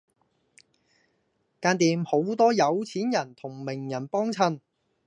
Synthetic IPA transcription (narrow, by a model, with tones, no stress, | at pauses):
kaː˧nt̪iː˨˧mho˨˥wt̪ɔː˥jɐ˨˧wt͡sʰiː˨˥njɐ˨˩nt̪ʰʊ˨˩ŋmɪ˨˩ŋjɐ˨˩npɔː˥ŋt͡sʰɐ˧n